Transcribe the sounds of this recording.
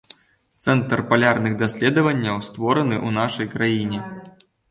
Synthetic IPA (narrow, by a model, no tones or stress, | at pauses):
t̪sɛnt̪rpalʲarnɨɣd̪asʲlʲɛd̪ɐvɐnʲːɐwst̪vɔɾɐnɨʔunaʂɐjkɾajinʲɛ